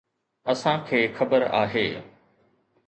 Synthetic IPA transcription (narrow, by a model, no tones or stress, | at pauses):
ɐsãkʰeːxɐbəɾa̰ːɦeː